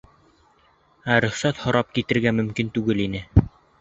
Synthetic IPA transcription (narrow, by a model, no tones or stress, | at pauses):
æɾɵ̆χsæt̪hɤ̆ɾʔɑp̚kit̪ɘ̆ɾɡæmɵ̆mkint̪ʉɡɘlinɘ